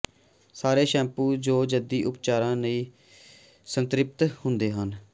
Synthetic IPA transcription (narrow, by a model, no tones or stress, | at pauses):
saːɾeːʃɛ̃ːmpuːd͡ʒoːd͡ʒəd̪iːʔʊpt͡ʃaːɾãːnəĩː | sənt̪ɾɪp̚t̪hʊnd̪eːɦən